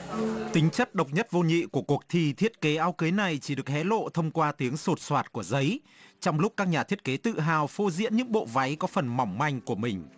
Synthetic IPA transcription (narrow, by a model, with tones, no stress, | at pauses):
t̪ï˨˦ŋ̟t͡ɕə˦˥t̚ɗə˨˩wk͡p̚ɲə˦˥t̚vo˧ɲḭ˧˨ku˧˩əku˨˩ək̚t̪ʰi˧˩t̪ʰi˦˥ət̚ke˨˦ʔaː˨˦wkə˨˦jna˨˩jt͡ɕi˧˩ɗɨ˨˩ək̚hɛ˨˦lo̰˧˨t̪ʰə˧wŋ͡mkwaː˧t̪i˨˦əŋso˨˩t̚swaː˨˧˩t̚ku˧˩əzə˨˦j | t͡ɕɔ˧wŋ͡mlʊ˦˥k͡p̚kaː˦˥k̚ɲaː˨˩t̪ʰi˦˥ət̚ke˨˦t̪ɨ̰˧˨ɦaː˨˩wfo˧zḭ˧˥ənɲɨ̰˧˥ŋɓo̰˧˨va˨˦jkɔ˨˦fə˨˩nma˨˩wŋ͡mma˧˩jŋ̟ku˧˩əmï˨˩ŋ̟